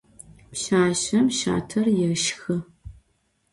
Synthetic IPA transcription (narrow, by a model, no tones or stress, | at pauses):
pɕaːɕɐmʃa̰ːtʰɐrjɛʃxɨ